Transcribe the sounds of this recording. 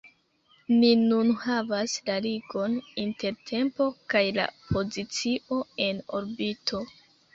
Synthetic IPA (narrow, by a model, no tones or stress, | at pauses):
ninunhavaslaliɡo̞ninte̞ɾtʰe̞mpo̞kajla̰po̞zit͡siʔo̞e̞no̞̰ɾbitʰo̞